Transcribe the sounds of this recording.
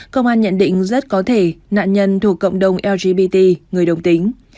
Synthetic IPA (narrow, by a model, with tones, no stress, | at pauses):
kə˧wŋ͡mʔaː˧nɲə̰˧˨nɗḭ̈˧˨ŋ̟zə˦˥t̚kɔ˨˦t̪ʰe˧˩na̰ː˧˨nɲə˧nt̪ʰu˧˩əkːə̰˧˨wŋ͡mɗə˨˩wŋ͡mʔɛ˧wzi˧ɓi˧t̪i˧ŋɨ˨˩əjɗə˨˩wŋ͡mt̪ï˨˦ŋ̟